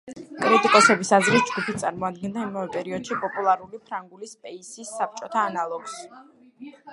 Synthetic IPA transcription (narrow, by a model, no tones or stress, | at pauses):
kʼɾit̪ʼikʼɔsɛbisazɾis̚d͡ʒɡupʰit̪t̪sʼaɾmɔad̪̚ɡɛnd̪aimavɛpʼɛɾiɔd̪̥ʃipʼɔpʼulˠaɾulipʰɾaŋɡulispʼɛisisːap̚t͡ʃʼɔt̪ʰaːnalˠɔɡ̥s